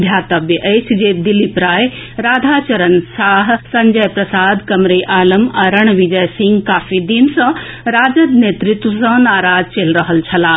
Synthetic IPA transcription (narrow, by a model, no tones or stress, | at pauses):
d̪ʱjaːt̪ɐbjəʔeːsʰd͡ʑeːd̪ilipɾaːj | ɾaːd̪ʱaːt͡ɕɐɾənsaːɦsɐ̃ɲd͡ʑəjpɾɐsaːd̪kɐmɾeːʔaːləmɐɾəɽ̃ʋid͡ʑɐjsĩŋɡkaːfid̪insɐ̃ɾaːd͡ʑəd̪neːt̪ɾɪt̪ʋəsɐ̃naːɾaːd͡ʑt͡ɕeːlɾɐɦəlt͡ɕʰɐlaː